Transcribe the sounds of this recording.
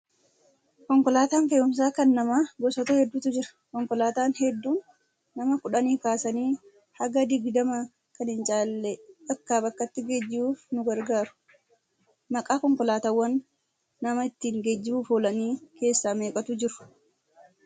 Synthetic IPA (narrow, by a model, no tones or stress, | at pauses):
kɔŋkɔlaːt̪aːnfeːʊms̬aːkɐnːɐmaːɡɔsɔt̪ɐhɛd̪ːut̪ʊd͡ʒɪɾɐ̥ | kɔŋkɔlaːt̪aːnhɛd̪ːuːnː | ɐmɐkʊᶑɐniːkaːsɐniː | hɐɡɐd̪ɪɡd̪ɐmɐ | kɐnɪnt͡ʃʼaːlːɛɐkːaːbɐkːɐt̪ːɪɡed͡ʒːɪbuːfnʊɡɐɾɡaːɾʊ̥ | mɐkʼaːkɔŋkɔlaːt̪awːɐnː | ɐmɐɪt̪ːiːŋɡed͡ʒːɪbuːfoːlɐniːke̞ːsːaːme̞ːkʼɐt̪ʊd͡ʒɪɾʊ̥